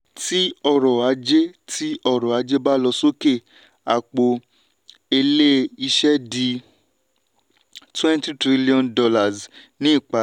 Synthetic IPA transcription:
ti˦ɔ˧ɾɔ˨a˨˧˦d͡ʒe˦ti˦ɔ˧˨ɾɔ˨a˨˧d͡ʒe˦ba˦lɔ˧so˦ke˦˨ | a˨k͡po˨ | e˧le˦i˧ʃɛ˦di˧ | twɛ̃˦nti˦tɾi˦li˦ɔ̃˧ndɔ˧la˨z | nĩ˦i˦˨k͡pa˨

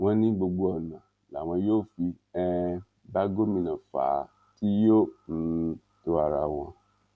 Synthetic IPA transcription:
wɔ̃˦nĩ˦ɡ͡bo˧ɡ͡bo˨˦ɔ˨nã˨ | la˨w̃ã˨jo˦fi˧ | ɛ̃˦ | ba˦ɡo˦mĩ˨nã˨fa̰ː˨˦ | tʰi˦jo˦n̩˦ | tʊ˦a˨ɾa˨w̃ɔ̃˧

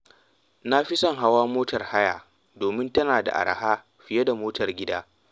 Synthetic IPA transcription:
na˦ɸi˦sɐ˦ŋɦa˦waː˦moː˦tɐ˨rha˦ja̰ː˨ | doː˨mɪ˦ntɐ˦naː˨da̰˨ʔa̰˨ɾa̰˨haː˦ | ɸɪ˨jɐ˦da˨moː˦tɐ˨rɡʲɪ˦daː˦

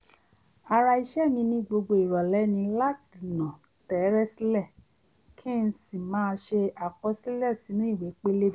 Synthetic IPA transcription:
a˧ɾa˧i˧ʃɛ˦˨nĩ˧nĩ˧ɡ͡bo˧ɡ͡bo˧i˨ɾɔ˨lɛ˨˦nĩ˧la˦ti̥˨nɔ̃˨ | tɛ˨˦ɾɛ˦si˦lɛ˦˨ | kʰĩ˦n̩˦si˦˨mãː˦˧ʃe˧a˨kɔ˧˦si˦lɛ˦˨si˨˦nũ˦i˦˨we˨˦k͡pe˦le˦˨

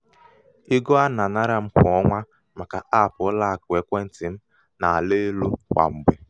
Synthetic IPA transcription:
i˦ɡo˦a˦na˨na˦ɾa˦m̩˦kʊ˨ɔ˦ŋʷa˦ | ma˨ka˨ʔa˦˨pʊ˨˦la˦a˨kʊ˨e˨kʷe˦n̩˨tɪ˨m̩˦ | na˨a˨le˦lo˦kʷa̰˨m̩˨ɡ͡be˨

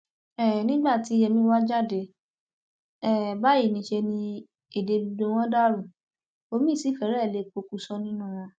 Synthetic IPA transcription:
ɛ˦˨nĩ˦ɡ͡ba˦˨ti˨˧˦jɛ˧mĩ˦wa˦d͡ʒa˦˨de˨˧ | ɛ˦˨ba˦ji˦˨nĩ˧ʃe˧nĩ˧ | e˨de˧bi˧do˧w̃ɔ̃˦da˦ɾũ˦˨ | o˧mĩ˦˨si˨˦˨fɛ˨˦ɾɛ˦˨le˨˦˨k͡po˧ku˧˦sɔ˦nĩ˦nũ˦˨w̃ã˧

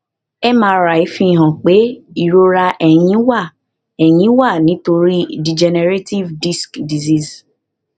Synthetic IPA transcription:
ɛ˦mãː˦ɾa˨i˨˦fĩ˦˨ɦã˨k͡pe˨˦i˦˨ɾo˦ɾa˧ʔɛ˨j̃ĩ˨˦wa˦˨ | ɛ˨j̃ĩ˨˦wa˦˨nĩ˨˦to˧ɾi˦di˨d͡ʒɛ˧nɛ˧ɾe˦ti˦vdi˦skdi˨zi˦˨s

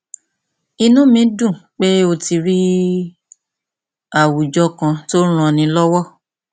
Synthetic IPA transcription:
i˧nũ˨˦mĩ˧˦dũ˦˨k͡pe˦o˧ti˧ɾi˦ | a˦˨wu˨d͡ʒɔ˦kã˧to˦ɾ̃ɔ̃˧˨nĩ˧˦lɔ˦wɔ˦

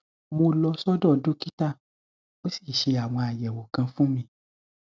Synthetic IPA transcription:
mo˧lɔ˧sɔ˦dɔ˦˨do˦ki˦ta˦˨ | o˨˦si̥˦˨ʃe˧a˨w̃ɔ̃˧a˨jɛ˨wo˨kã˧fũ˦mĩ˧

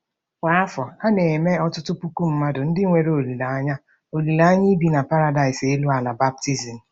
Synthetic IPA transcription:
kʷa˦a˦fɔ˨a˦ne˨me˦ɔ˦tʊ˦tʊ˦pu˦ku˦m̩˦ma˦dʊ˨n̩˦dɪ˦ŋʷe˨ɾe˦o˨li˨la˨a˦ɲa˦ | o˨li˨la˨a˦ɲi˦bi˨na˨pa˦ɾa˦da˨ɪ˨se˦lu˦a˨na˨ba˦b̚ti˦zi˨n̩˨

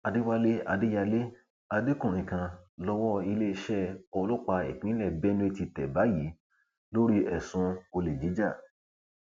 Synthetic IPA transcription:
a˧de˦wa˦le˦a˧de˦ja˧le˦ | a˧de˦kũ˦˨ɾĩ˨kã˨˧lɔ˧wɔ˦i˧le˦˧ʃɛ˦ɔ˧lɔ˦k͡pa˧ḛ˨k͡pĩ˨˦lɛ˦˨bɛ˦nĩ˦˧ti˧tɛ˨ba˨˦ji˨˦ | lo˦ɾi˦ɛ˨sũ˧o˧le˨d͡ʒi˨˦d͡ʒa˦˨

